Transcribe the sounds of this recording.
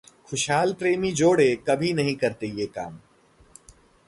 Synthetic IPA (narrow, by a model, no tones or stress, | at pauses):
xʊʃɦaːlpɾeːmid͡ʒoːɽekɐbʱinɐɦĩkɐɾt̪ejeːka̰ːm